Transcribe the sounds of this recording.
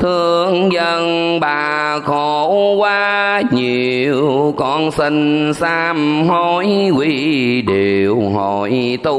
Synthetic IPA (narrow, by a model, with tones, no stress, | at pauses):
t̪ʰɨ˧əəəəŋzə˧ŋ | ɓaː˨˩ | ko˧˨kwaː˧ | ɲi˨˩˨əəwwwkɔ˧˩nsi˧ŋsaː˧mhɔ˧˩jkwi˧ɗe˨˩wɦɔ˧˨˩jt̪u˧